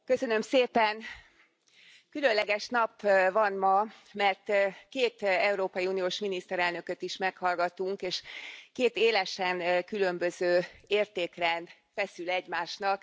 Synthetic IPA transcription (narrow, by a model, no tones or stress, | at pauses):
kø̞sønø̞mseːpɛn | kylø̞nlɛɡɛʃnɒpvɒnmɒmɛrt̪keːt̪ɛuɾoːpɒjiuːnijoːʃminist̪ɛɾɛlnø̞kø̞t̪iʃmɛkhɒlɡɒt̪uŋkeːʃkeːt̪eːlɛʃɛnkylø̞mbøzøːeːrt̪eːkrɛnd̪ | fɛsylɛɟmaːʃnɒk